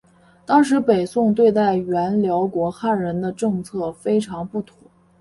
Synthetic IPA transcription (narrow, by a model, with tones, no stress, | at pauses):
t̪ɑ˥ŋʂ̬ɻ̩˧˥pe˨˩ɪsʊ˥˧ŋt̪̬we˥˧ɪt̪a˥˩ɪɥɛ˧˥nljɑ˧˥ʊkwɔ˧˥xa˥˩nɻə˧˥nd̪ə˧ʈ͡ʂɤ˥˧ŋt͡sʰɤ˥˩fe˥ɪʈ͡ʂʰɑ˧˥ŋpu˥˩t̪ʰʊ˧˥˦ŋ